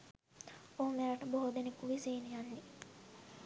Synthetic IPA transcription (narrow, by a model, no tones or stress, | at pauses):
oɦomeɾaʈəboɦod̪enekuʋiseːnijanːe